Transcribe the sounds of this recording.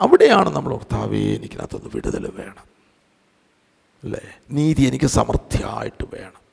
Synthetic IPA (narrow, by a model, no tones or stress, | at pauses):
ɐʋiɽe̞jaːɳɨnːɐmːɐɭurt̪ːaːʋḛḛnikʲːɨna̰ːt̪ːo̞nːɨʋiɽuðɐluʋe̞ːɳɐm | ɐlːeniːðie̞nikʲːɨsɐmɐrt̪ʰja̰ːjiʈːɨʋe̞ːɳɐm